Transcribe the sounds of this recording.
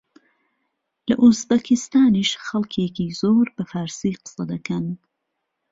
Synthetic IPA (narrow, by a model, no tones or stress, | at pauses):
lɐ̰ʔuzbɐkʰɪst̪aːniʃxɐlˠkʰeːkiːzoːɾbɐfaːɾsiːqɨ̥sɐd̪ɐkɐn